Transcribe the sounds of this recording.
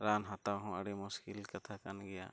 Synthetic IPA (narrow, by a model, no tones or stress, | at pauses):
ɾanɦat̪aɦɔ̃ʔaɽɛmuskilkat̪ʰakanɡɛja̰